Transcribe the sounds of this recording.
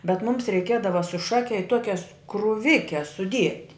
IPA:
bʲɛt ˈmʊms rʲɛɪˈkʲiɛdɐʋɐ sʊ ˈʃɑːkʲɛ ɪ ˈtuɔkʲɛs krʊˈʋʲɪkʲɛs sʊˈdʲiɛtʲ

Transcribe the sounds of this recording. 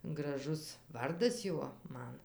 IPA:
ɡrɐˈʒʊs ˈʋɐrdɐs ˈjuɔ ˈmɐn

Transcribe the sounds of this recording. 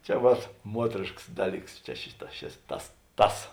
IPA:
t͡ʃʲɛ ˈʋɐt ˈmuɔtʲrʲeːʃkɐs ˈdɑːˌlʲiːks t͡ʃʲɛ ˈʃʲɪˌtɑː ʃʲɪs ˈtɐs ˈtɐs

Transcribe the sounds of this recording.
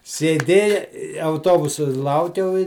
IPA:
sʲeːˈdʲeːjɛ ɪ ɐʊˈtoːbʊsʊ ˈlˠɐʊkʲɛʊ ɪ

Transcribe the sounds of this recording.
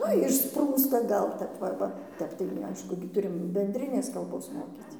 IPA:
ˈnʊ ɪʃˈspruːstɐ ˈɡɐlˠ tʲɛp ˈʋɐ ˈʋɐ ˈtʲɛp tɐɪ nʊ ˈɐɪʃkʊ ɡʲɪ ˈtʊrʲɪm bʲɛnʲdʲˈrʲɪnʲeːs kɐlˠˈboːs ˈmoːkʲiːt͡s

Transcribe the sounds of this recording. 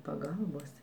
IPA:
pɐˈɡɐlˠboːs

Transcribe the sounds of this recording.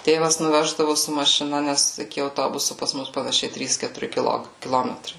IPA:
ˈtʲeːʋɐs nʊˈʋʲæːʒdɐʋʊ sʊ mɐʃʲɪˈnɐ ˈnʲɛs ɪkʲɪ ɐʊˈtoːbʊsʊ pɐs ˈmʊs pɐnɐˈʃʲɛɪ ˈtʲrʲiːs kʲɛtʊˈrʲɪ kʲɪˈlˠoːk kʲɪˈlˠoːmʲɛtrɐɪ

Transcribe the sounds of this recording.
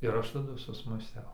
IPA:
ɪr ˈɐʃ tɐˈdʊ sʊsmɑːˈsʲtʲɛʊ

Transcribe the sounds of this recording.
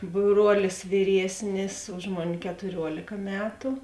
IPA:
ˈbruɔlʲɪs ʋʲɪˈrʲiɛsʲnʲɪs ˈʊʃ moːˌnʲɪ kʲɛtʊˈrʲuɔlʲeːkɐ ˈmʲæːtʊ

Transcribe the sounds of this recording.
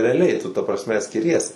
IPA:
rʲɛɐˈlʲɛɪ tʊ tɐ prɐsʲˈmʲɛ sʲkʲɪˈrʲiɛs

